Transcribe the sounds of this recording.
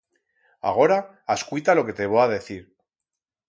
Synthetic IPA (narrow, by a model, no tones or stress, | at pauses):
a̰ɣ̞o̞ɾaː | skwit̪alo̞ke̞t̪e̞β̞oaðe̞θiɾ